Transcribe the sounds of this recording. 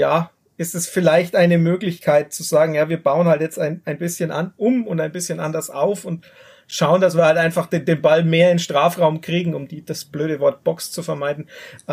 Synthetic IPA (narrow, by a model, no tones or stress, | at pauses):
jaː | ʔɪstɛsfɪlaɪçtʔaɪnəmøːklɪçkʰaɪt̚t͡suzaːɡŋ̩jaːviːɐbaʊənhaltjɛt͡staɪnaɪnbɪsçənʔanʔʊmʊntaɪnbɪsçənʔa̰ndɐsʔaʊfʊnt | ʃaʊəndasviːɐhaltʔaɪnfaχd̥eːndeːnbalmeːɐɪnʃtʁ̥aːfʁaʊmkʁ̥iːɡŋ̩ʊmd̥iːd̥asb̥løːɾəvɔɐt̚b̥ɔkst͡sufɛɐmaɪdn̩